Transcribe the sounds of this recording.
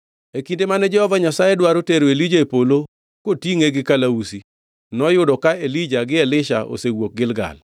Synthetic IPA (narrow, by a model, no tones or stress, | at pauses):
ekindemanɛd͡ʒɛhɔvaɲasajɛdwaɾoteɾoelid͡ʒaepolo | kotiŋeɡɪkalausi | nɔjʊdɔkaelid͡ʒaɡɪɛlɪʃa̰ʔo̰sewok̚ɡɪlɡa̰l